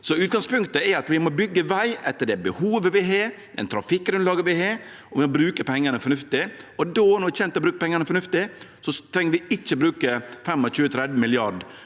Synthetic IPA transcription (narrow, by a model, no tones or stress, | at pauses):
sɔʉːt̪̚ɡɑŋspʉŋkt̪əɛɾɑt̪ʋɪmɔbʏɡːəʋæɪʔɛt̪ːəɖɛbəhuːʋəʋɪɦɑɾ | ɛ̰nt̪ʰɾɑfɪkːɡɾʉnt̪lɑːɡəʋɪɦeːɾ | ɔʋɪmɔbɾʉːkəpʰɛŋːənəfɔnʉft̪ɪɔd̪oːnɔɾʋɪçɛnt̪ɛɔbɾʉːkəpʰɛŋːənəfɔnʉft̪ɪsɔt̪ʰɾɛŋːəɾʋɪɪt͡ʃːəbɾʉːkəfɛmːɔt͡ʃʉːət̪ʰɾɛd̪ʋəmɪlɪɑɖ